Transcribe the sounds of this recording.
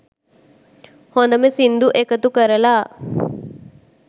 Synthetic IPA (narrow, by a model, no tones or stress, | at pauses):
hond̪əmesind̪uʔekət̪ukəɾəlaː